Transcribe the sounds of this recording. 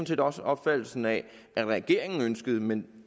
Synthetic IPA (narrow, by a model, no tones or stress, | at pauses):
n̩se̝̰ːdɒ̽səʔɒ̽b̥fæd̥l̩sn̩æ | æʁɛɡ̥e̝ɐ̰eŋn̩ønsɡ̥əðˠəmen